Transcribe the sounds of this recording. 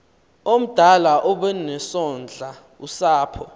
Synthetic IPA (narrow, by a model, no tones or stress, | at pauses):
om̩d̥ʱalaʔɔɓɛnɛsɔnd͡ɮʱa | usaːpʰɔ